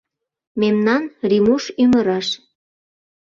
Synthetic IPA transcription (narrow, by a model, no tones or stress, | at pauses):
memnɑnrimuʃyməɾɑʃ